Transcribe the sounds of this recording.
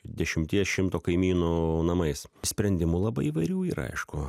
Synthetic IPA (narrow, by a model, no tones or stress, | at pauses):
d̪ʲɛʃʲɪmʲt̪ʲiɛsʃʲɪmt̪oːkɐɪmʲiːnoːnɐmɐɪssʲpʲɾʲɛnʲd̪ʲɪmulˠɐbɐ̰ɪiːʋɐɪɾʲuːḭɾɐ̰ɪʃkʊ